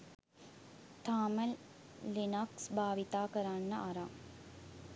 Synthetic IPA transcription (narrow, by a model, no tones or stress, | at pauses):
t̪aːmə | linaksbʱaːʋit̪aːkəɾanːəʔaɾa